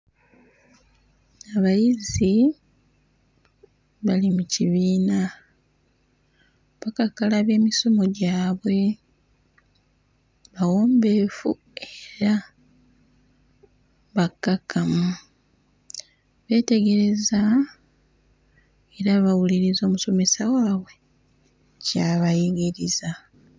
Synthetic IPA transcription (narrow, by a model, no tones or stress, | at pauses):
aβajizi | βalimuciβiːna | βakakalaβe̞ːmisomoɟaːβwe̞ | βawoːmbe̞ːfṵ | eɾa | βakːakʰːamu | βe̞ːte̞ɡe̞ɾe̞za | eɾaβawuliɾizo̞ːmuso̞me̞sawaːβwe̞ | caβajiɡiɾiza